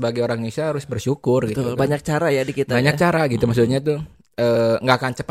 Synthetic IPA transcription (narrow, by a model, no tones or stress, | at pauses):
əbaɡajoɾaŋnisaaɾʊsbərʃukʊrɡit̪ʊlbaɲak̚t͡ʃaɾajadikit̪abaɲak̚t͡ʃaɾaɡit̪umasut̪̚ɲat̪u | əːŋɡakant͡ʃəp